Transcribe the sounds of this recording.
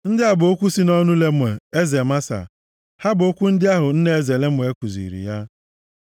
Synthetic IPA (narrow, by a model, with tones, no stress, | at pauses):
n̩˦dɪ˦a˦bʊ˨o˦kʷu˦si˦nɔ˦nʊ˦le˦m˦e˨e˦ze˨ma˦sa̰˨ | ha˦bʊ˨o˦kʷu˦n̩˦dɪ˦a˦ɦʊ˨n̩˦ne˦e˦˨ze˨le˦mʷ˦˨e˦kʷu˨zḭ˨ɾḭ˨ja˦